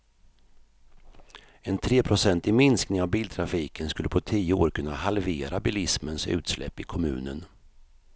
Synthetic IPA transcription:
ɛnt̪ʰɾeːpʰɾʊsɛnt̪ɪmɪnsknɪŋavbiːlt̪ʰɾafiːkənskɵlːəpʰɔt̪ʰiːjəoːɾkʰɵnːahalveːɾabɪlɪsmənsʉ̟̰ːt̪slɛ̰pːɪkʰɔmʉ̟ːnən

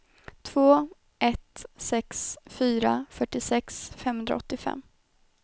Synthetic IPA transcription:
t̪ʰv̥oː | ʔɛt̪sɛksfyːɾa̰fœʈːɪsɛksfɛmhɵnd̪ɾa̰ɔt̪ːɪfɛ̰mː

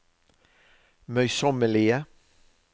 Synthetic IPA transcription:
mœʏsɔməɭɪə

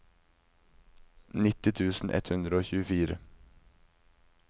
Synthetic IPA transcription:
nɪt̪ɪt̪ʰʉːsn̩ʔɛ̰t̪hʉnd̪ɾəoːçʉːəfiːɾə̰

